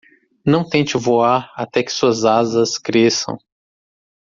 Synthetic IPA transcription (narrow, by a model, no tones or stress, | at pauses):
nɐ̃w̃t̪ẽt͡ʃɪvoaɾat̪ɛkɪ̥suɐzazɐskɾesɐ̰̃w̃